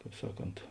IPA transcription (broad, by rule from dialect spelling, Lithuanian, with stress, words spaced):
ˈkɑːp ˈsɑːˌkoːnt